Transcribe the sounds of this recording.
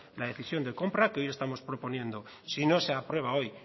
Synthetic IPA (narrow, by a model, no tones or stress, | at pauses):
laðe̞θisjo̞nd̪eko̞mpɾakeo̞je̞st̪amo̞spɾo̞po̞nje̞nd̪o | sino̞seapɾwe̞β̞ao̞j